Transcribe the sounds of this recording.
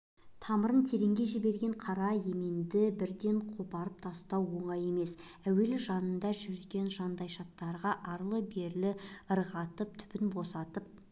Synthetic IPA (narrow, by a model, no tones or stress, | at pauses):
t̪ʰɑməɾənt̪ʰe̞ɾe̞ŋɡʲe̞ʒibe̞ɾɡʲe̞ɴqʰɑɾɑje̞me̞nd̪ɪbɪɾd̪e̞ɴqʰopɑɾəp̚t̪ʰɑst̪ɑwːo̞ɴɑje̞me̞s | æwe̞lɪʒɑnənd̪ɑʒʏɾeɡʲe̞nʒɑnd̪ɑjʃɑt̪ːɑɾʁɑʔɑɾlˠəbe̞ɾlɪəɾʁɑt̪əp̚t̪ʰʏ̥pɪnbo̞sɑt̪əp̚